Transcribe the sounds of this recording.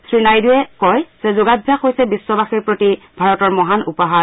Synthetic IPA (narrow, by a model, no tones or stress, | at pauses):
sɹinajduɛkɔjz̥ɛzoɡabʱjaxɦojsɛbisːɔbaxiɹpɹoti | bʱaɹɔtɔɹmɔɦanupaɦa